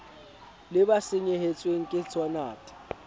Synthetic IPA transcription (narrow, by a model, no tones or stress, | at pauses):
lɪbasɪɲehet͡sʼweŋ̩kʼɪt͡sʰɔnaːtʼɪ̥